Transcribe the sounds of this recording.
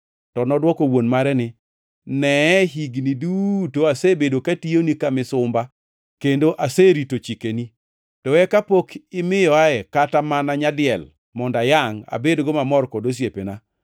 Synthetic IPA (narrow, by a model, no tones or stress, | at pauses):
tɔnɔdwɔkowonmaɾɛnɪ | nɛɦiɡnidutoasebedokationikamɪsʊmba | kendoʔaseɾitot͡ʃikeni | tɔɛkapokɪmɪjɔaɛkatamanaɲadɪjɛl | mɔndajaŋa̰bedɡɔmamɔrkodos̬jepena